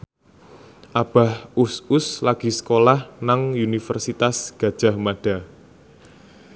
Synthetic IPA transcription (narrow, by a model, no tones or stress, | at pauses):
ʔab̥a̤husʊslaɡ̥i̤sə̥kolahnaŋunifərsit̪asɡ̥ä̤d̥ʒ̥a̤hmaɖ̥a̤